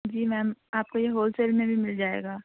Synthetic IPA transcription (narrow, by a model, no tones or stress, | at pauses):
d͡ʒiːmɛ̃ːaːp̚kojeɦoːlsɛːlmẽbʱimɪld͡ʒaːḛːɡaː